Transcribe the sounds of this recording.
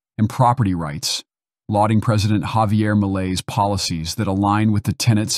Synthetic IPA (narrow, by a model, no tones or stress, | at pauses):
ɨ̃npʰɹ̥ɑpə˞ɾiɹaɪts | lɔɾɪ̃ŋpʰɹ̥ɛzɨɾɨ̃nʔhɑviɛɹməleɪz̥pʰɑlˠəsizðɨɾəlãɪ̃nwɨðɨtʰɛɾ̃ɨ̃nts